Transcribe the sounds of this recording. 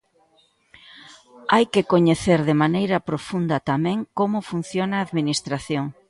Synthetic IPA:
ajkɪkoɲeθeɾðɪmanejɾɐpɾofund̪ɐt̪amɛ̃ŋkomʊfun̟θjonaːðminist̪ɾaθjoŋ

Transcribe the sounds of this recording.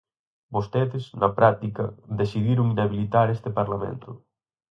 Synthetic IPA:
bost̪eðɪznɐpɾat̪ikɐðesiðiɾʊŋnaβilit̪aɾest̪epaɾlamḛnt̪ʊ

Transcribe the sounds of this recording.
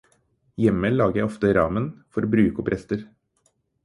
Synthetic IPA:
jɛməlɑːɡəjæɪɔft̪əɾɑːmənfɔɾobɾʉːkɔpʰɾʔɛst̪əɾ

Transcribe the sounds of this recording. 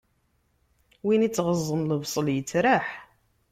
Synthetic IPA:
winit͡sːʁəzˤːənləvsˤəljət͡sːɾaħ

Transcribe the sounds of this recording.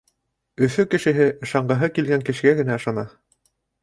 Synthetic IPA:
ɵ̆fɵkɘ̆ʃɘ̆ɦɘʔɤ̆ʃɑɴɢɤ̆ɦɤkilɡæŋkɘ̆ʃɡæɡɘ̆næɤ̆ʃɑnɑ

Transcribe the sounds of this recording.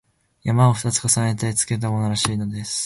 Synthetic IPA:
jamao̞ɸ̟t̪at͡sɨ̥kasanet̪et͡sɨ̥ke̞t̪̬amo̞no̞ɾaɕiːno̞d̪e̞sɨ̥

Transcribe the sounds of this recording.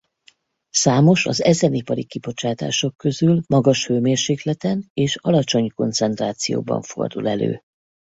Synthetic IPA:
saːmo̞ʃɒzɛzɛnipɒɾikibo̞t͡ʃaːt̪a̰ːʃo̞kːø̞zylmɒɡɒʃføːmeːrʃeːklɛt̪ɛneːʃɒlɒt͡ʃo̞ɲko̞nt̪sɛnt̪raːt̪sijo̰ːbɒ̰ɱfo̞̰rd̪ulɛlø̰ː

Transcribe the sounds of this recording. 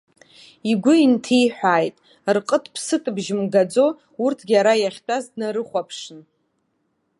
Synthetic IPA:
iɡʷʊintʰijħʷᶣaːjtʼ | rqʼətʰpʰsɨtʼɨbʒɪmɡad͡zo̞ | urtʰɡʲaɾajaχʲtʼazdnaɾɨχʷapʰʂɨn

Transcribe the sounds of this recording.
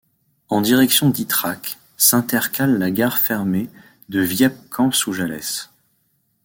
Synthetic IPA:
ɑ̃d̪iʁɛksjɔ̃d̪it̪χak | sɛ̃t̪ɛʁkʲalːaɡaʁfɛʁme | d̪əvjɛp̚kʰɑ̃psuʒalɛ̰s

